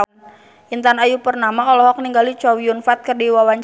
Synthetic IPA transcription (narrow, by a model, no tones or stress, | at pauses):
n | ʔint̪anajupərnamaɔlɔɦɔk̚niŋɡalit͡ʃɔwiʊnfat̪̚kərdiwawaɲt͡ʃ